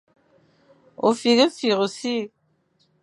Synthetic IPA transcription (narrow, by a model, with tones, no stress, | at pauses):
o̰˨fi˨ɣi˦fi˨ɣo˨si˦